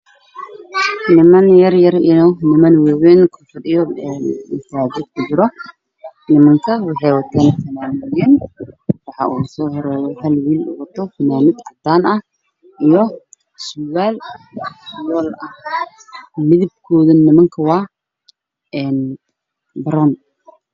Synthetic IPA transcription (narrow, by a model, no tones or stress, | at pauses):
nɪmɐnjɐrjɐrɪnɔnɪmɐnwɛːwɛnkʰʊfɐdɪjɔɪt̪ʰaːd͡ʒɪd̪kʰʊt͡ʃɪɾɔ | nɪmɐŋkʰɐwɑħɑjwɐt̪ʰɛːnfɐnaːmɪjɪnwɑħɑ̰ʔṵːsɔːɦɔɾɛːjɔhɐlwiːlʊ̰wɐt̪ʰɔfɐnaːmɪd̪ʕɑd̪aːnɐh | ijɔ | sʊwaːl | jɔːlɐh | mɪðɪb̚kʰɔːðɐnɪmɐŋkʰɐwɑː | ɛːn | bɐɾɔːn